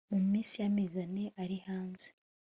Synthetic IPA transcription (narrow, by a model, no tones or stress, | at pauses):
mumumiːsijamizaneʔaɾihaːnze